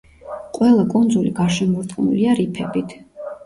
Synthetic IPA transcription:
qʼwɛlˠakʼund̪zuliɡaɾʃɛmuɾt̪ʼqʼnṵliaɾipʰɛbit̪ʰ

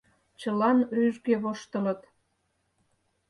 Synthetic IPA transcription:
t͡ɕəlɑnryʒɡeβoʃt̪ə̆lə̆t̪

